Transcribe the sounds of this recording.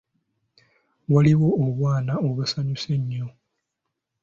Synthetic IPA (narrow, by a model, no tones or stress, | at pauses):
waliβo̞ːβwaːnaoβusaɲuse̞ɲːo̞